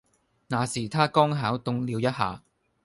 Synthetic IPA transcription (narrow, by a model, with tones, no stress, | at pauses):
naː˨˩siː˨˩t̪ʰaː˥kɔː˥ŋɦaː˨˥wt̪ʊ˨˧ŋliː˨˧wjɐ˥t̚ɦa̰ː˨˧